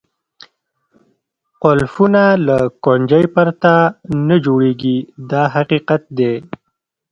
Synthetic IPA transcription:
qolfunalakoɳd͡ʒajpaɾt̪anad͡ʒoɽeɡid̪ɑɦaqiqat̪̚d̪e

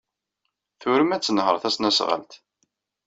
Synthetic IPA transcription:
θʊɾəmæt͡sːənɦə̰ɾˤθæsnæsʁə̰lt̪

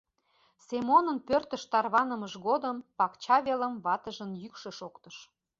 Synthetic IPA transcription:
semonənpørt̪əʃt̪ɑrβɑnəməʒɣod̪əmpɑkt͡ɕɑβeləmβɑt̪əʒənjykʃə̆ʃokt̪əʃ

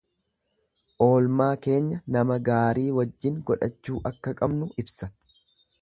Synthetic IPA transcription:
ʔo̞ːlmaːke̞ːɲːɐnɐmɐɡaːɾiːwɐd͡ʒːɪŋɡɔᶑɐt͡ʃːuːʔɐkːɐkʼɐbnʊʔɪbsɐ

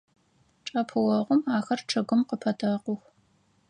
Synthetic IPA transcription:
ʈ͡ʂʼɐpʰɨwɐʁʷʊmaːxɐrʈ͡ʂʰɨɣɨmqəpʰɐtʰɐqʷʊx

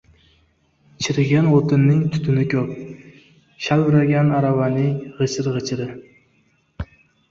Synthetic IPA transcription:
t͡ʃʰɪɾɡʲanot̪ʰɪnːɪŋt̪ʰʊ̥t̪ʰɪnɪkʲʰɵp̚ | ʃalɾaɡʲanaɾavanɪŋʁɨt͡ʃʰɪɾʁɨt͡ʃʰɪɾɪ

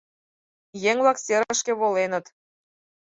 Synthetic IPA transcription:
jeŋβɑkseɾəʃkĕβolenə̆t̪

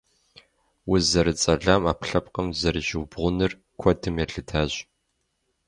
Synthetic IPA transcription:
wʊzɐɾɨt͡sʼɐɮaːmaːpɬɐp̚qəmzɐɾɨʒɪwbʁʷʊnɨr | kʷʰɔdʰɨmjɛɬɨtʰaːɕ

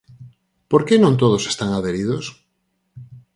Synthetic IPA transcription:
poɾkenõnt̪oð̞ose̥st̪aŋaðeɾiðos

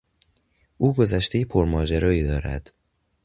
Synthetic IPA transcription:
ʔuːɡo̞zæʃt̪ejepʰoɾmɒːd͡ʒæɾɒːiːd̪ɒːɾæ̰d̪̥

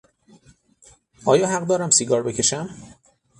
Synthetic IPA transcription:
ɒːjɒːɦæɢd̪ɒːɾæmsiɡɒːɾbe̞cʰe̞ʃæm

